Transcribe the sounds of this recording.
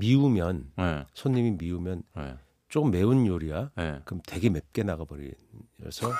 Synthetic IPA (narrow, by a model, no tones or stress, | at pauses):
miumjʌnesʰoɲːimimiumjʌnḛ | t͡ɕ͈oɯmːe̞unjoɾiaekɯmte̞ɡe̞mep̚k͈e̞naɡabʌɾḭ | ʌ̰sʰʌ